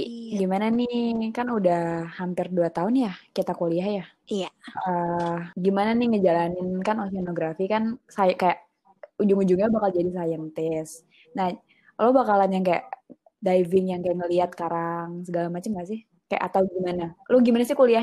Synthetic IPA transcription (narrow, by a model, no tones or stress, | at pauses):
ɡimananɪkanudahhampɪrduat̪aʊnjakit̪akoliahja | ijaəɡimananɪŋəd͡ʒalanɪnkanosianoɡɾafikansajaʔkajaʔ | ud͡ʒʊŋud͡ʒʊŋɲabakald͡ʒadis̬ajaŋt̪ɛs | nah | lobakalanjaŋkaja̰ʔ | dajvɪŋjaŋkajaʔŋəliat̪̚kaɾaŋs̬əɡalamat͡ʃəmas̬ɪh | kaja̰ʔa̰t̪awɡimanaloɡimanasɪhkolia